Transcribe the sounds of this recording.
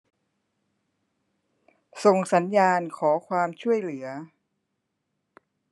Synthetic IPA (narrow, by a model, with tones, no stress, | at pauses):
so˨˩ŋsa˩˦njaː˧nkʰɔː˩˦kʰwaː˧mt͡ɕʰu˥˩əjlɯ˩˦ɐ